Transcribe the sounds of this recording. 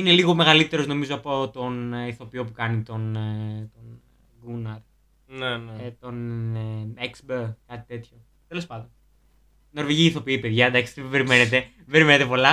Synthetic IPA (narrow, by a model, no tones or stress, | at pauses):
ine̞liɣo̞me̞ɣɐlit̪e̞ɾo̞zno̞mizo̞ɐpo̞t̪o̞niθo̞pio̞pukɐnit̪o̞nt̪on | ɡunɐɾ | nenet̪o̞n | eksbekɐt̪i̥t̪e̞t̪ço̞ | t̪e̞lo̞spɐnd̪o̞n | no̞ɾveʝiiθo̞piipeðʝɐd̪ɐkst̪vbeɾime̞net̪̬e̞ | be̞ɾimenet̪e̞po̞lɐ